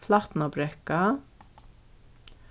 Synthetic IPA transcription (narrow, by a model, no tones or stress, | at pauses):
flaht̪nabɾɛhka